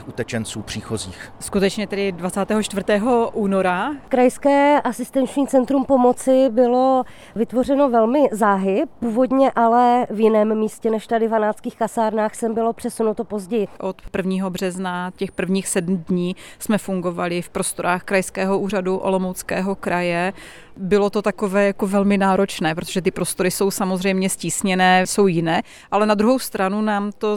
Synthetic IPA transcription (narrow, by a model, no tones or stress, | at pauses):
ixut̪ɛt͡ʃɛnt͡suːpr̥iːxoziːxskut̪ɛt͡ʃɲɛt̪ɛdɪdvat͡saːt̪ɛːɦot͡ʃt̪vr̩t̪ɛːɦo̞ʔuːno̞ɾakɾajskɛːʔasɪst̪ɛnt͡ʃɲiːt͡sɛnt̪ɾumpo̞mo̞t͡sɪbɪlo̞ | vɪt̪vo̞r̝ɛno̞vɛlmɪzaːɦɪpuːvo̞dɲɛʔalɛvjɪnɛːmːiːscɛnɛʃt̪adɪvanaːt͡skiːxkasaːɾnaːxsɛmbɪlo̞pr̥ɛsunut̪o̞po̞zɟɛjɪʔo̞t̪pr̩vɲiːɦo̞br̝ɛznacɛxpr̩vɲiːxsɛdmdɲiːsmɛfuŋɡo̞valɪfpɾo̞st̪o̞ɾaːxkɾajskɛːɦo̞ʔuːraduʔolo̞mowt͡skɛːɦo̞kɾʔajɛ | bɪlo̞t̪o̞t̪ako̞vɛːjako̞vɛlmɪnaːɾo̞t͡ʃnɛːpɾot̪oʒɛt̪ɪpɾo̞st̪o̞ɾɪso̞wsamozr̝ɛjmɲɛsciːsɲɛnɛːso̞wjɪnɛː | ʔalɛnad̪ɾuɦo̞wst̪ɾanunaːmt̪o̞